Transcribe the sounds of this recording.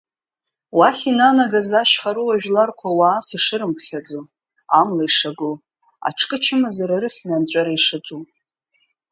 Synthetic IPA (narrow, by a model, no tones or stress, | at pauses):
waχʲinanaɡazaʃχaɾuwaʒᶣlarkʷʰawaːsɨʂɨɾɨmpʰχʲad͡zo | amlaiʂaɡo | a̰ʈ͡ʂʰkʼɨt͡ʃʰɪmazaɾaɾɨχʲnant͡ʃʷʼaɾaiʂɨt͡ʃʷʼu